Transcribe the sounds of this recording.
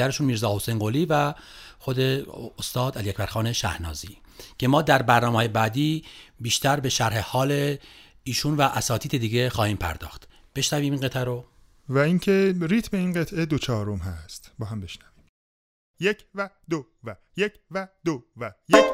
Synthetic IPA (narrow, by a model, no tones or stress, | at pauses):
æɾeʃunmiːɾzɒːho̞sejnɢoːliːvæxo̞d̪eost̪ɒːd̪æliæcʰbæɾxɒːne̞ʃæ̰hnɒ̰ːziː | cʰe̞mɒːd̪æɾbæɾnɒːmehɒːjebæːd̪iːbiːʃt̪æɾbe̞ʃæɾhe̞hɒːle | iːʃunvæʔːsɒːt̪iːd̪ed̪iːɟe̞xɒːhiːmpʰæ̰ɾd̪ɒ̰ːxt̪ | b̥e̞ʃnæviːminɢe̞t̪ʔæɾo | væiŋcʰe̞ɾiːt̪ʰbe̞inɢe̞t̪ʰʔe̞d̪ot͡ʃʰɒːɾomɦæst̪bɒːɦæmbe̞ʃnævi̥ːm | jecʰvæd̪o | væ | jecvæd̪ovæje